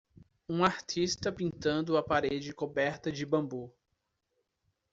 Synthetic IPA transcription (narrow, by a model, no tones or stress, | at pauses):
ũaɾt͡ʃ̪ist̪ɐpĩnt̪ɐ̃nd̪ʊɐpaɾed͡ʒɪkobɛɾt̪ɐd͡ʒɪbɐ̃mbu